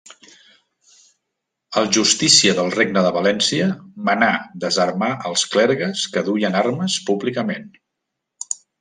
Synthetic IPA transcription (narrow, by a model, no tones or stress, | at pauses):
əlˠʒust̪isiəðəlˠreɡnəðəβəlɛnsiəmənad̪əzəɾmaʔəlˠsklɛɾɣəskəðujənarməspuβlikəmen